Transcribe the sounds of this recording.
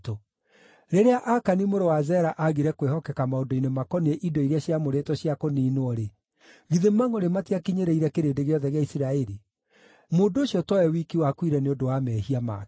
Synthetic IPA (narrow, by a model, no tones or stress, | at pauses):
to | ɾeɾeaʔakanimoɾowazɛɾaʔaɣiɾɛkwehɔkɛkamaodoinemakɔneʔidɔiɾjaɕjamoɾetɔɕjakoniːnoɔɾe | ɣiðemaŋoɾematiakiɲeɾeiɾɛkeɾeːdeɣeɔðɛɣeaisiɾaɛɾi | moːndooɕjɔtɔɛwikiwakwiɾɛneodowamɛhiama̰